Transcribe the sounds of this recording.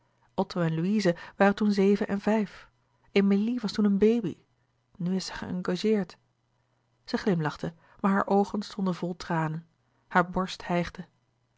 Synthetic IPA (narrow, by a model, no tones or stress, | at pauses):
ʔɔtowɛnluizəʋaːrəntunzejvənʔɛnvɛjf | emeliʋɑstunənbejbḭ | nyɪstsəχə̰ɑ̰ŋɡaʒɪːɹt | z̥əχlɪmlɑχtə | maːɹɦa̰ːɹʔowχənstɔndənvɔlˠtraːnən | haːɹbɔɹsthɛjχdə